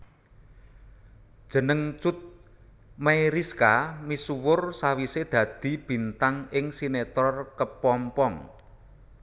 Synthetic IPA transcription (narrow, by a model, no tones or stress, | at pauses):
d̥ʒ̥ə̤nəŋt͡ʃʊt̪̚ | meiɾiskamisuwʊrsawised̪̥ä̤d̪̥i̤b̥i̤nt̪aŋɪŋsinet̪ɔrkəpɔmpɔŋ